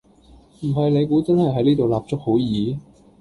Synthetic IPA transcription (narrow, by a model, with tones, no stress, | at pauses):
m̩˨˩ɦɐ˨jle˨˧jkuː˨˥t͡sɐ˥nhɐ˨jɦɐ˨˥jliː˥t̪o˨wlaː˨p̚t͡sʊ˥k̚ho˨˥wjiː˨˧